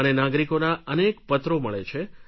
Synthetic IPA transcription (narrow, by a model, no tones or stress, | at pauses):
ənenaɡɾikonaʔənekpət̪ɾoməɭḛt͡ʃʰe